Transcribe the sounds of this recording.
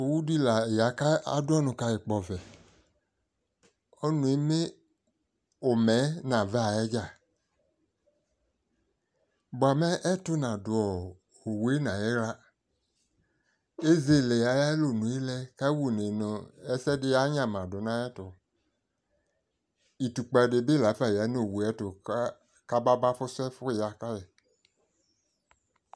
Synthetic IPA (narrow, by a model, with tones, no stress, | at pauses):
o˨wu˦di˦la˨ja˨ka˦a̰˨dʊ˦ɔ˦nʊ̃˨ka˨jɪ˨k͡pɔ˨vɛ˨ | ɔ˦nũ˨e˨mɪ˦ | ʊ˨mɛ˨˦nã˨vɛ˦a˨ɛ˦d͡ʒa˦˨ | bʊ˨a˨mɛ˦ʔɛ˦tʊ˦nã˨dʊ˨ɔ˨ | o˨we˦nã˨jɛ˦la˦ | e˦ze˦˨le˨a˨˦ja˦lo˨nũ˨e˦lɛ˦ka˦wu˦ne˨nʊ˨ɛ˦sɛ˦dɪ˦a˦ɲã˨mã˨dʊ˨nã˦ɛ˦tʊ˨ | i˨tu˨k͡pa˨dɪ˨bɪ˦˨la˨˦fa˨ja˨˦no˨wu˨ɛ˦tʊ˨ | ka˦ba˦ba˦fʊ˦sɛ˦fʊ˦˨ja˨ka˦jɛ˨